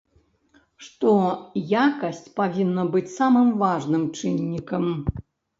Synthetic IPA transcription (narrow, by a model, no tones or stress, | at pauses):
ʂt̪ɔjakɐsʲt͡sʲpavʲinːɐbɨt͡sʲsamɨmvaʐnɨmt͡ʂɨnʲːikɐm